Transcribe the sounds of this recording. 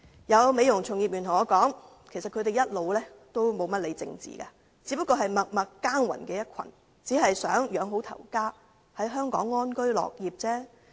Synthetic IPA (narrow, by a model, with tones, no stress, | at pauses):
jɐ˨˧wme˨˧jʊ˨˩ŋt͡sʰʊ˨˩ŋjiː˨p̚jyː˨˩nʰʊ˨˩ŋɔː˨˧kɔː˨˥ŋ | kʰe˨˩sɐ˨t̚kʰɵ˨˧ɥt̪e˨jɐ˥t̚lo˨˧wlɛː˥t̪o˥wmo˨˧wmɐ˥t̚le˨˧t͡sɪ̰˧ŋt͡sḭː˨ɡaː˧ | t͡siː˨˧˥pɐ˥kːɔː˧ɦɐ˨jmɐ˨k̚mɐ˨kːaː˥ŋwɐ̰˨˩nkɛː˧jɐ˥t̚kʷʰɐ˨˩n | t͡siː˨˥ɦɐ˨jsœ̰ː˨˥ŋjœː˨˧ŋɦo˨˥wt̪ʰɐ̰˨˩wkaː˥ | hɐ˨˥jɦœː˥ŋkɔ̰ː˨˥ŋːɔː˥nkɵ˥ɥlɔ̰ː˨k̚jiː˨p̚t͡sɛː˥